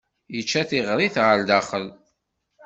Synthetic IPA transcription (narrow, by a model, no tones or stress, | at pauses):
jət͡ʃːæθiʁɾˤiθʁəld̪aχəl